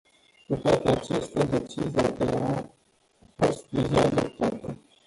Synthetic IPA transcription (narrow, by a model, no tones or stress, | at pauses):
kut̪oat̪eat͡ʃest̪ʲad̪e̞t͡ʃizijad̪ea | fost̪̚vizead̪op̚t̪at̪ə